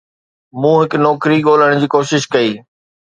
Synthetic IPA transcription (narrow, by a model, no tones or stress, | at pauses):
mũːɦɪkʊnɔːkɾiɠoːl̤əɽ̃d͡ʑiːkoːʃɪʃkɐiː